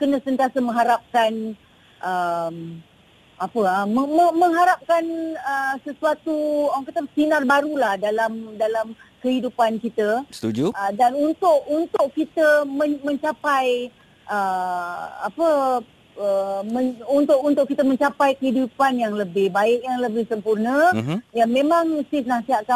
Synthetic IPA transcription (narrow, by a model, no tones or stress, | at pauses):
kənə̃sənt̪iasamə̃ŋɦaɾap̚kan | ʔəm | apəaməməmə̃ŋɦaɾap̚kanəsəsuat̪uawaŋkat̪əsinarbaɾulahdalamdalamkəɦidupankit̪əst̪ud͡ʒuədanunt̪ʊʔunt̪ʊʔkit̪əməmə̃ɲt͡ʃapaj | ʔə | a̰pə | əməunt̪ʊʔunt̪ʊʔkit̪əmə̃ɲt͡ʃapajkəɦidupanjaŋləbɪhbaɪʔjaŋləbɪhsəmpurnəjaŋmẽmãŋsɪsnasiɦat̪̚ka